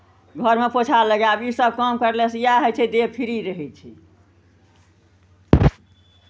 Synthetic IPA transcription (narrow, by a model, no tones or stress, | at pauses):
ɡʱəɾmepot͡ʃʰaləɡabisəb̚ʱkəmkəɾlɛsjaɦət͡ʃʰɛd̪epʰiɾiɾəɦɛt͡ʃʰḭ